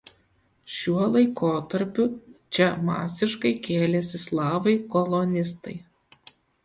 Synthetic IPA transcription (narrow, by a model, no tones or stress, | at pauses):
ʃʲuɔlˠɐɪkʰoːt̪ɐɾʲpʲʊt͡ʃʲɛmɑ̰ːsʲɪʃkɐɪkʲeːlʲɛsʲɪslˠɑːʋɐɪkɔlˠɔnʲɪst̪ɐɪ